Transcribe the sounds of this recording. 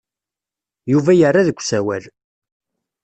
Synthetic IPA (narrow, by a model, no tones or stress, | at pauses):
juvæjərːaðəkʷːsæwæl